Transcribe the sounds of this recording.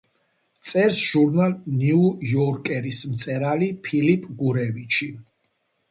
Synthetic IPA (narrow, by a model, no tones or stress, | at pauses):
t̪sʼɛɾsʒ̥uɾnalniujɔɾkʼɛɾismt̪sʼɛɾalipʰilipʼɡuɾɛvit͡ʃʰi